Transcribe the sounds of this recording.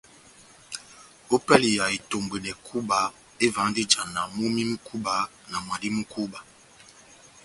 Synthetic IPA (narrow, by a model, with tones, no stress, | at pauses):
o˦pɛ˦li˨ja˨i˨to˨mbe˨nɛ˨kʰu˦ba˨˦ | e˦va˨˦di˦d͡ʒa˨na˨mu˦mi˦mi˦kʰu˦ba˨˦ | na˨mwa˨di˦mu˦ku˦ba˨